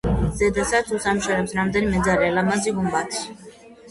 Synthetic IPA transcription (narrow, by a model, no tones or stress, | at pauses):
zɛd̪asadt̪sʰusamuʃɛɾɛpsɾamd̪ɛnimɛd̪zaɾɛalamaziɡumbat̪ʰi̥